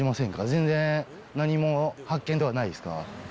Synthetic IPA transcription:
imasẽ̞ŋkazẽ̞nd͡zẽ̞ | naɲ̟imo̞hakːẽnt̪e̞anaiesɨ̥ka̰

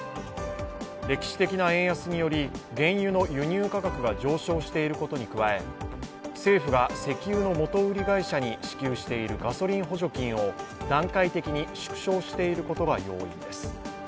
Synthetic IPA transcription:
ɾʲe̞kʲi̥ɕi̥t̪e̞kʲinaẽ̞ɰ̃jasɨɲ̟ijo̞ɾʲiɡẽ̞ɰ̃jɯ̟no̞jɯ̟ɲ̟ɨːkakakɯ̟ɡad͡ʑo̞ːɕo̞ːɕi̥t̪e̞iɾɯ̟ko̞t̪o̞ɲ̟ikɯ̟βae̞ | se̞ːɸɯ̟ɡase̞kʲɨːno̞mo̞t̪o̞ɯ̟ɾʲiɡaiɕaɲ̟iɕi̥kʲɨːɕi̥t̪e̞iɾɯ̟ɡaso̞ɾʲĩɰ̃ɦo̞ʑo̞kʲĩɰ̃o̞d̪ãŋkait̪e̞kʲiɲ̟iɕɨ̥kɯ̟̥ɕo̞ːɕi̥t̪e̞iɾɯ̟ko̞t̪o̞ɡajo̞̰ːḭ̃nd̪e̞sɨ̥

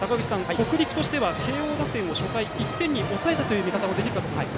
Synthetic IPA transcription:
sakaɡɯ̟t͡ɕi̥sãŋko̞kɯ̟ɾʲikɯ̟̥t̪o̞ɕi̥t̪e̞βakʰe̞ːo̞ːɡ̪asẽ̞ɰ̃o̞ɕo̞kaiit̪ːẽ̞ɲ̟ːiʔo̞sae̞t̪at̪o̞jɯ̟ːmʲikat̪amo̞d̪e̞kʲiɾɯ̟ka

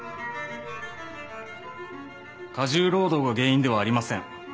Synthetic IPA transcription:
kaʑɨːɾo̞ːd̪o̞ːɡaɡe̞ːĩnd̪e̞βaːɾʲimasẽ̞ŋ

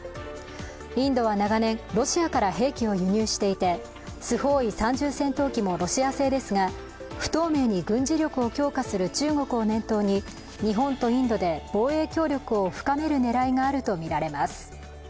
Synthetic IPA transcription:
ĩnd̪o̞βanaɡanẽ̞ŋɾo̞ɕiakaɾaɦe̞ːkʲio̞jɯ̟ɲ̟ɨːɕi̥t̪e̞it̪e̞ | sɨho̞ːisãɲ̟d͡ʑɨːsẽ̞nt̪o̞ːkʲimo̞ɾo̞ɕiase̞ːd̪e̞sɨɡa | ɸɯ̟̥t̪o̞ːme̞ːɲ̟iɡɯ̟̃ɲ̟d͡ʑiɾʲo̞kɯ̟o̞kʲo̞ːkasɨɾɯ̟t͡ɕɨːŋo̞kɯ̟onẽ̞nt̪o̞ːɲ̟i | ɲ̟iɦõ̞nt̪o̞ĩnd̪o̞d̪e̞b̥o̞ːe̞ːkʲo̞ːɾʲo̞kɯ̟o̞ɸɯ̟̥kame̞ɾɯ̟ne̞ɾaiŋaːɾɯ̟t̪o̞mʲiɾaɾe̞masɨ̥

